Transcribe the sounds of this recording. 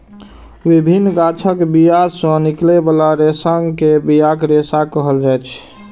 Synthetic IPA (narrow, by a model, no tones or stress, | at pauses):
ʋibʱinːɡat͡ʃʰəkbijasə̃niklebalaɾesaŋkebijakɾesakəɦəld͡ʒajt͡ʃʰ